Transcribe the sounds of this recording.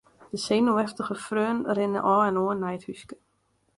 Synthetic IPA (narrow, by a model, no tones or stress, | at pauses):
d̥əseːnoɛftəɣəfrøːnrɪnə̰ʔɔːɛnoənːɛjəthyskə̥